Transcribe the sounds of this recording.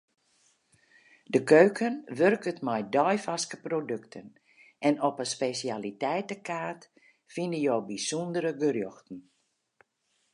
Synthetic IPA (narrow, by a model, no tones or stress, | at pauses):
dəkøɥkənʋørkətmɔjdɔjfaskəprodøktʰən | ʔɛnɔpəspesiaːlitɛjtəkaːt | finəjoːbisundəɾəɡərjɔxtn̩